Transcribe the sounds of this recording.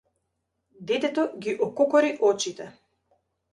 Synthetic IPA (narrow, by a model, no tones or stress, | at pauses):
d̪ɛt̪ɛt̪ɔɡiʔɔkɔkɔɾiʔɔt͡ʃit̪ɛ